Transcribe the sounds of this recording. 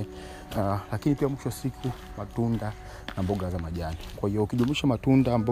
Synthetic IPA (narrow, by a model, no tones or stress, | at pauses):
lakinipiamwiʃɔwasikʰu | matunda | nambɔɠazamaʄanikwahiɔukiʄumiʃamatundaːmba